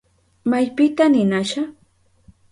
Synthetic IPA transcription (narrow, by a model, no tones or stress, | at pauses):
majpɪt̪anɪnaʃa